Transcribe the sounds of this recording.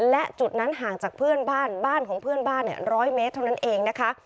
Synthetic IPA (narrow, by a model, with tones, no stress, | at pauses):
lɛ˦˥ʔt͡ɕu˨˩t̪̚na˦˥nɦaː˨˩ŋt͡ɕaː˨˩k̚pʰɯ˥˩ənbaː˥˩nbaː˥˩nkʰɔː˩˦ŋpʰɯ˥˩ənbaː˥˩nːḭ˧˩əɾɔː˦˥jmeː˧˦˥t̪ʰːa˧˩wna˦˥nʔeː˧ŋna˦˥kʰa˦˥ʔ